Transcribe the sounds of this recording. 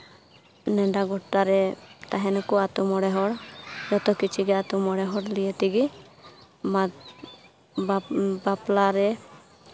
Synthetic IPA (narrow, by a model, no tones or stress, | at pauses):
nɛɖaɡɔʈːaɾɛt̪aɦɛnɔkuat̪umɔɽɛɦɔɽjɔt̪ɔkit͡ʃʰiɡɛat̪umɔɽɛɦɔɽlijet̪iɡi | ma | baplaɾɛ